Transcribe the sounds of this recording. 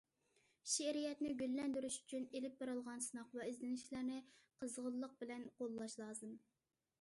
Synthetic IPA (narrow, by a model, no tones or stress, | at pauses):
ʃɛɾijɛt̪nɪɡʲylːɛnd̪yɾyʃy̥t͡ʃʰynelɪp̚beɾɨlˠʁɑnsɨnɑqvɛizlɪnɪʃlæɾnɪqʰəzʁəlˠːəq̚bɪlɛnqolˠːɑʃlˠɑːzɨm